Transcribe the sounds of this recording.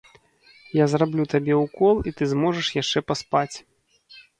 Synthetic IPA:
jazrablʲut̪abʲɛwkɔlˠit̪ɨzmɔʐɐʂjaʂt͡ʂɛpaspat͡sʲ

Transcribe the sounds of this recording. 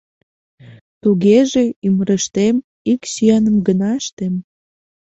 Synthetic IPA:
t̪uɣeʒeyməɾəʃt̪em | iksiɑnəmɡənɑəʃt̪em

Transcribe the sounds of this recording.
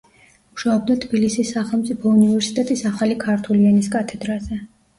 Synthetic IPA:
uʃaɔb̚d̪at̪ʰbilisisːaχɛlˠmt̪sʼipʰɔunivɛɾsi̥t̪ʼɛt̪ʼisaχalikʰaɾt̪ʰuliɛniskʼat̪ʰɛd̪ɾazɛ

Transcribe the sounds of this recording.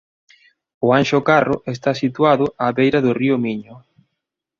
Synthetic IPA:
ʊanʃʊkarʊʔest̪asit̪waðʊʔaβejɾɐðʊriʊmiɲʊ

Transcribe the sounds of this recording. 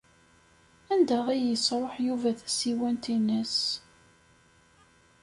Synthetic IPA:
ænd̪æʁijəsɾˤoħjuvæθæ̥siwænt̪inəs

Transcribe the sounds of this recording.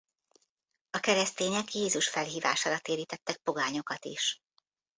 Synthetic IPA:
ɒkɛɾɛst̪eːɲɛkjeːzuʃfɛlɦiːva̰ːʃaːɾɒt̪eːɾiːt̪ɛt̪ːɛk̚po̞ɡaːɲo̞kɒt̪ḭʃ

